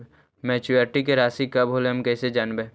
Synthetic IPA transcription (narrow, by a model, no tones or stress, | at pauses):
mɛːt͡ʃuəɾʈik̬eɾaːsikɐbɦoːleɦɐmkɛːsed͡ʒaːnbẽː